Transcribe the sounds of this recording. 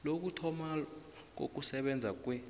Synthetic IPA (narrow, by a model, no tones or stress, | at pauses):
lok̬utʰɔmalak̬o̰k̬usɛɓɛnd͡zʱak̬ʼwɛ